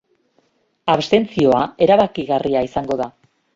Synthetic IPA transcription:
aβst̪e̞nt͡sio̞ae̞ɾaβakiɣariaisaŋɡo̞ða

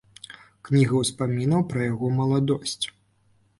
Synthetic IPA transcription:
knʲiɣɐwspamʲinɐwpɾɐjaɣɔmɐlˠad̪ɔsʲt͡sʲ

